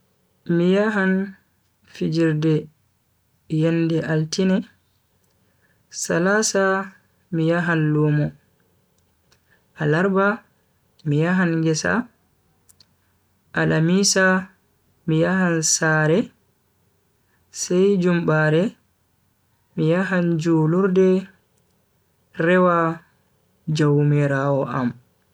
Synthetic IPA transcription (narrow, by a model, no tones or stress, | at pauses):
mijaɦan | fid͡ʒiɾdɛ | jɛndɛʔaltinɛ | salasa | mijaɦanloːmɔ | ʔalaɾba | mijaɦanɡɛsa̰ | ʔalamisa | mijaɦansaːɾɛ | sɛjd͡ʒumbaɾɛ | mijaɦand͡ʒuːluɾdɛ | ɾɛwa | d͡ʒawmiɾawɔʔa̰m